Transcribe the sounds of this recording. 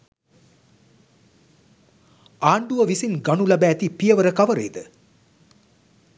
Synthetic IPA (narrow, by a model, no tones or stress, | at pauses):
aːɳɖuʋəʋisinɡaɳulɐbæːt̪ipijɐʋəɾəkaʋəɾḛjːd̪ə